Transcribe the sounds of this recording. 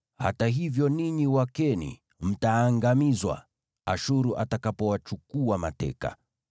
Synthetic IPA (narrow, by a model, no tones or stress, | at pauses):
ha̰taɦivjɔniɲiwakɛnḭ | m̩taːŋɡamizwa̰ | aʃuɾuʔatakapɔwat͡ʃukuama̰tɛ̰ka̰